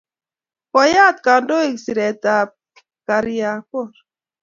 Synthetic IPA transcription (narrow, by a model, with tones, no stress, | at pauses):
kɔ˨ja˦˨t̪̚ka˨ndo˦e˨ksi˨ɾɛ˨t̪a˨ | ka˨ɾja˨kɔ˦˨ɾ